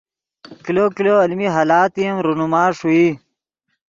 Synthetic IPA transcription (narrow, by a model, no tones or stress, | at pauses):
kilokiloɐlmiɦaːlaːt̪iemɾunumaːʂui